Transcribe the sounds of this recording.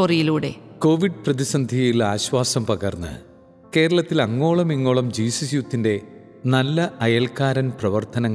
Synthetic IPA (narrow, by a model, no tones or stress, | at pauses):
oːrijiluːɽe̞̰ko̞ːʋiɖprɐðisɐnd̪ʱijilaːɕʋaːsɐmpɐɣɐrnːɨ̰ | ke̞ːɾɐɭɐt̪ːilɐŋːo̞ːɭɐmiŋːo̞ːɭɐmd͡ʑiːsisjut̪ːinde̞ | nɐlːɐɐjɐlkaːɾɐnprɐʋɐrt̪ʰɐnɐŋːɐ